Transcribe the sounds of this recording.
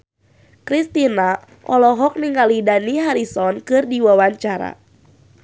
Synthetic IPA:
kɾist̪ina | ʔɔlɔɦɔk̚niŋɡalidaniɦaɾisɔnkɨrdiwawaɲt͡ʃaɾa̰

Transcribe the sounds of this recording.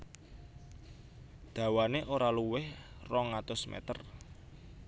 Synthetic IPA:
d̪̥ä̤waneʔoɾaluwɪhrɔŋat̪ʊsmɛ̰t̪ər

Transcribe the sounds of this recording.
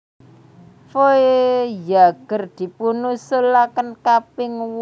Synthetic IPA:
foejaɡ̥ə̤rd̪̥i̤punusʊlakənkapɪŋw

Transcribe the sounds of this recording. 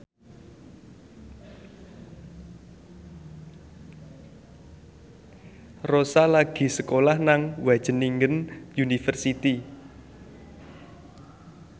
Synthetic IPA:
rosalaɡ̥i̤səkolahnaŋwḁʒ̥ə̤niŋɡənjunifərsit̪i

